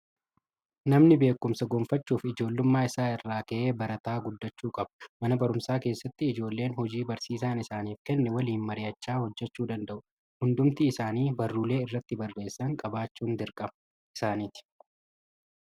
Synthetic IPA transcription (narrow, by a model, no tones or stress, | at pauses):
nɐmnɪbe̞ːkːʊmsɐɡoːmfɐt͡ʃːuːfɪd͡ʒo̞ːlːʊmːaːɪsaːɪrːaːkɐʔeːbɐɾɐt̪aːɡʊd̪ːɐt͡ʃːuːkʼɐbɐ̥mɐnɐbɐɾʊmsaːke̞ːsːɐt̪ːɪɪd͡ʒo̞ːlːe̞ːnɦɔd͡ʒiːbɐɾsiːs̬aːnɪsaːniːfkɛnːɛwɐliːnmɐɾɪjɐt͡ʃːaːhɔd͡ʒːɛt͡ʃːuːd̪ɐnd̪ɐʔʊ | hʊnd̪ʊmt̪iːsaːniːbɐrːuːle̞ːɪrːɐt̪ːɪbɐrːe̞ːsːɐŋkʼɐbaːt͡ʃːuːnd̪ɪɾkʼɐmɐ | ʔɪ̥saːniːt̪ɪ̥